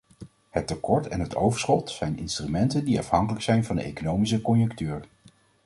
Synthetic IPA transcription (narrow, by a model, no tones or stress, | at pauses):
hətːəkɔɹtɛ̰nɦətowvəɹsχɔtsɛjnɪ̰nstrymɛntəndiɑ̰fhɑŋkələksɛjnvɑndəḛjkonowmis̬əkɔnjɵŋktyːɹ